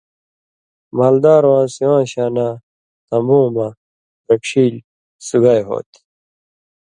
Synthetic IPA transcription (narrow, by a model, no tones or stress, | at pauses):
maːld̪aːɾwãːsiwãːɕaːna | t̪ɐmbõːma | ɾɐkʂiːl | suɡajɦo̰ːt̪i̥